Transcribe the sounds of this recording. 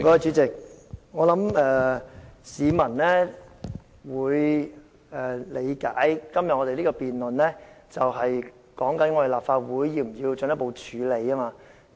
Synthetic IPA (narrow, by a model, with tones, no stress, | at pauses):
kɔː˨˧˥ɐ˨˧t͡ʃy˨˧˥t͡sɪ˨k̚ŋɔː˨˧lɐ˨˥mɛː˧ | siː˨˧mɐ˨˩nlɛ˥ | wuː˨˧j | ɛː˨˩le˨˧jkaː˨˥jkɐ˥mjɐ˨ɔ˧te˨jliː˥kɔː˧piː˨nlɵ˨nlɛː˥t͡sɐ˨wɦɐ˨j | kɔː˨˥ŋkɐ˨˥nŋɔː˧t̪e˨˩laː˨p̚faː˧t̚wuː˨˧jːiː˧wm̩˨˩jiː˧wt͡ʃɵ˧˨njɐ˥tpo˨˧wt͡ʃʰyː˨˧˥le˨˧jaː˥maː˧